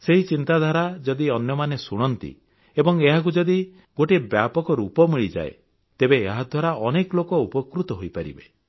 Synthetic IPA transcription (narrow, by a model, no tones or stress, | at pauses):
seɦit͡ʃint̪ad̪ʱaɾad͡ʒɔd̪iɔnjɔmanesuɽ̃ɔnt̪ḭ | ebɔŋeɦak̬ud͡ʒɔd̪i | ɡoʈebjapɔkɔɾupɔmiɭid͡ʒa̰ḛ | t̪ebeːɦad̪ʱwaɾaʔɔnekɔlokɔupɔkɾut̪ɔɦojpaɾḭbe